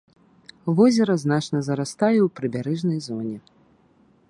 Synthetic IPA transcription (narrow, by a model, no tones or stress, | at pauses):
vɔzʲɛɾɐznat͡ʂnɐzɐɾast̪ajɛwpɾɨbʲaɾɛʐnɐjzɔnʲɛ